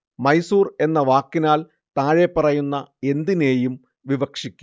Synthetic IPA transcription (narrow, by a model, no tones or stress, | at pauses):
mɐjsuːre̞nːɐʋaːkːinaːl | t̪aːɻepːɐrɐjunːɐe̞nd̪ine̞ːjum | ʋiʋɐkʂikʲːu